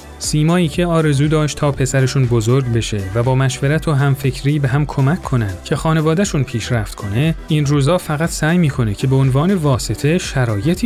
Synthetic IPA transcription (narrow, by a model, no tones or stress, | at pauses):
siːmɒːiːcʰe̞ɒːɾe̞zuːd̪ɒːʃt̪ʰɒːpʰe̞sæɾeʃunbo̞zoɾɟbe̞ʃe̞væbɒːmæʃveɾæt̪ʰoɦæmfe̞cʰɾiːbe̞ɦæmkʰo̞mæcʰːo̞nænd̪̥̚cʰe̞xɒːne̞vɒːd̪æʃunpʰiːʃɾæft̪kʰo̞ne̞inruːzɒːfæɣæt̪ʰsæːjmiːkʰo̞necʰe̞beonvɒːne̞vɒːse̞t̪ʰe̞ʃæɾɒːjet̪ʰi